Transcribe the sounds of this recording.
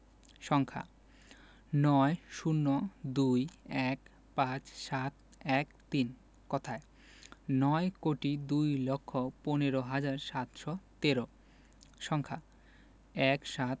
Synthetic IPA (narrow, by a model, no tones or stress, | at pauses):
ʃɔŋkʰa̰ | nɔeʃunːod̪ujɛk | pãt͡ɕʃat̪̚ | ɛkt̪in | kɔt̪ʰae | nɔekoʈid̪ujlokʰːoponeɾoɦad͡ʑaɾʃat̪ʃɔt̪eɾo | ʃɔŋkʰa | ɛkʃat̪̚